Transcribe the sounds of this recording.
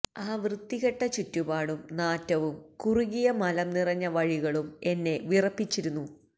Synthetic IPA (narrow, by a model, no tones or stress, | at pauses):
aːʋrɨd̪ːiɣɐʈːɐt͡ɕitːubaːɽumnaːtːɐʋumkuriɣijɐmɐlɐmnirɐɲːɐʋɐɻiɣɐɭume̞nːe̞ʋirɐpːit͡ɕːiɾunːu